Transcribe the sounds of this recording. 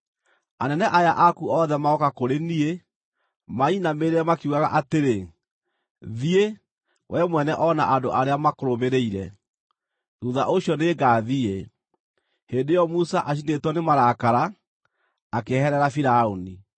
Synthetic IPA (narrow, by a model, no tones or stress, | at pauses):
anɛnɛʔajaʔakuɔðɛmaɔkakoɾenie | mainameɾeɛmakuɣaɣaʔateɾe | ðie | wʔɛmwɛnɛʔɔna̰ʔandoʔaɾeamakoɾomeɾeiɾɛ | ðuðaʔoɕiɔneːɡaðie | heːndejɔmusaʔaɕ̬inetwɔnemaɾaːkaɾaː | kehɛɾɛɾafiɾaoni